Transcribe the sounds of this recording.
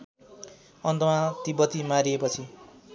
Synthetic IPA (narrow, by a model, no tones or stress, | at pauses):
ʌnt̪ʌmãt̪ibʌt̪imaɾiepʌt͡sʰi